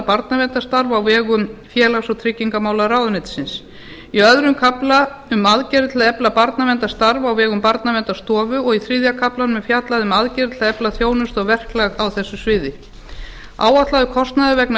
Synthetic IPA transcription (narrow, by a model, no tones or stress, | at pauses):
paɾt̪navɛnt̪ast̪aɾvawvɛːɣʏmfjɛːlaɣsɔt̪ʰɾɪcːiŋkamaːwlaɾaːwðʏnɪt̪sɪns | iœðɾʏmkʰaplaʏmaðcɛɾɪt̪laðɛplapaɾt̪navɛnt̪ast̪aɾvawvɛːɣʏmpaɾt̪navɛnt̪ast̪ɔːvʏɔɣiθɾɪðjakʰaplanmɛfjat̪laðʏmaðcɛɾɪt̪laɛplaθjoːwnʏst̪ɔɣvɛr̥klaɣawθɛsːʏsvɪːðɪ | a̰ːwat̪laðʏkʰɔst̪naðʏvɛkn